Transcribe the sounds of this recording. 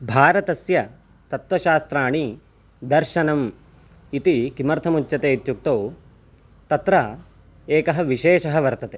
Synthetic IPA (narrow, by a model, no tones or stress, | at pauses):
bʱaːɾɐt̪ɐsjɐ | t̪ɐt̪ʋɐʃaːst̪ɾaːɳi | d̪ɐɾʃɐnɐm | it̪ikimɐɾt̪ʰɐmut͡ʃːɐt̪eːt̪juk̚t̪oː | t̪ɐt̪ɾɐ | eːkɐɦɐ̆ʋiʃeːʃɐɦɐʋɐɾt̪ɐt̪e